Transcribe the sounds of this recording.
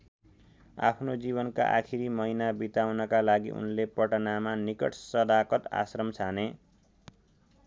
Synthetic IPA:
a̰pʰnod͡ziβʌnka̰ʔa̰kʰiɾimʌinabit̪awnʌkalaɡḭʔṵnlepʌʈʌnamanikʌ̰ʈʰsʌd̪akʌt̪a̰srʌmt͡sʰane

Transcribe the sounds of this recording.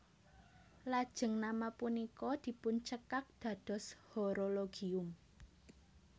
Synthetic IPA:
lad̥ʒ̥ə̤ŋnamapunikɔd̪̥i̤pʊnt͡ʃəkak̚d̪̥ä̤d̪̥ɔ̤shoɾoloɡ̥iʊm

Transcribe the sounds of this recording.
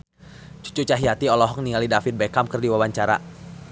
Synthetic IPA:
t͡ʃu̥t͡ʃut͡ʃaɦiat̪iɔlɔɦɔk̚niŋalidafit̪̚bɛkamkərdiwawaɲt͡ʃaɾa̰

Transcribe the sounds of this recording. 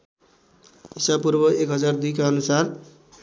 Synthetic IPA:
isapurbʌekɦʌd͡zard̪ikaʌnusar

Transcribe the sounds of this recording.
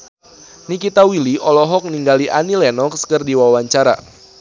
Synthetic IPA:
nikit̪awiliʔɔlɔɦɔk̚niŋɡaliʔanilɛnɔkskɨrdiwawaɲt͡ʃaɾa̰

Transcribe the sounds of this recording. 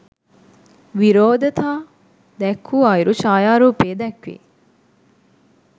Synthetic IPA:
ʋiɾoːd̪ɐt̪ʰaː | d̪ɛkʰːuaːiɾuʃaːjaːɾuːpeːd̪ɛkʋḭ

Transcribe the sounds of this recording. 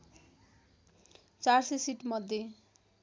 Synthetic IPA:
t͡sarsesiʈmʌd̪ʱje

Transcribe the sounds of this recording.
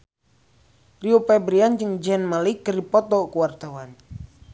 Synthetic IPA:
riupɛbɾiand͡ʒɨŋd͡ʒɛnmalikːərdipɔt̪ɔkuwart̪awan

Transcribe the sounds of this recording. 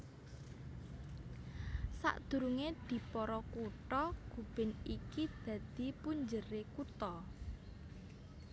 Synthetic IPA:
sa̰ʔd̪̥ṳɾuŋed̪̥i̤pɔɾɔkuʈɔɡ̥ṳb̥ɪ̤nikid̪̥ä̤d̪̥i̤puɲd͡ʒəɾekut̪ɔ

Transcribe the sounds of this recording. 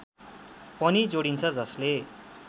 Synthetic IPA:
pʌnid͡zoɽint͡sʰʌd͡zʌsle

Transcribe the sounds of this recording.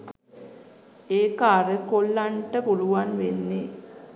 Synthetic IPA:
eːkaːɾəkolːaɳʈəpuluʋanʋenːe

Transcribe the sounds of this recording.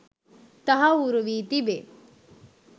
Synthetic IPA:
t̪ɐɦɐuɾuʋiːt̪ibe

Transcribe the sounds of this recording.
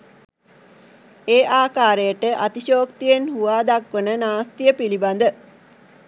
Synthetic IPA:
eːʔaːkaːɾejəʈəʔat̪iʃoːkt̪ijenhuʋaːd̪akʋənənaːst̪ijəpiliband̪ə

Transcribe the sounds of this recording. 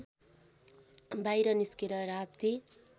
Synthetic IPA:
bajɾʌniskiɾʌɾak̚t̪i

